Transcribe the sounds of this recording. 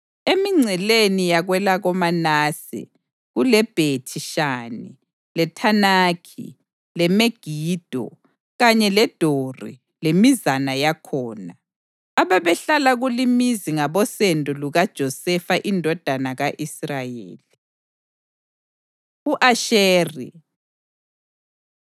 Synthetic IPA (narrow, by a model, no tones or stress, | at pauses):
emiŋ͡ǀʱɛlenijaɣwɛlaɣɔmanaːsɛ̰ | ɣulɛb̥ʱetʰiʃaːnḭ | lɛtʰanaːkʰḭ | lɛmeɡ̥ʱiːd̥ʱɔ̰ | ɣaɲɛlɛd̥ʱorḭ | lemizanajakʰɔːna | aβaβɛɬalaɣulimiziŋaβɔsɛndʱʼɔluɣad̥ʒ̥ʱɔsɛfaʔindʱɔd̥ʱanaɣaʔisrajḛːli | uʔaʃeːrḭ